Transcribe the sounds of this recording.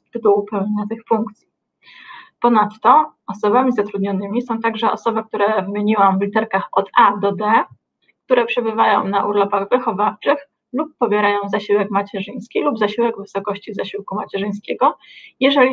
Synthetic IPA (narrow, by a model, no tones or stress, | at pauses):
t̪ɘt̪uwupɛwɲeɲat̪ɘxfuŋkt̪sʲji | pɔnat̪ːɔɔsɔbamʲizat̪ɾud̪ɲɔnɘmʲisɔ̃w̃t̪aɡʐɛʔɔ̰sɔbɘk̚t̪uɾɛvɘmʲeɲiwamvlʲit̪ɛɾkaxɔt̪ad̪ɔd̪ɛ | k̚t̪uɾɛpʂɛbɘvajɔ̰̃w̃naʔuɾlɔpaɣvɘxɔvaft͡ʂɘx | lupːɔbʲjɛɾajɔ̃w̃zaɕiwɛkmat͡ɕɛʐɘj̃skʲilubzaɕiwɛɡvɘsɔkɔɕt͡ɕivzaɕiwkumat͡ɕɛʐɘj̃skʲɛɡɔjɛʐɛlʲi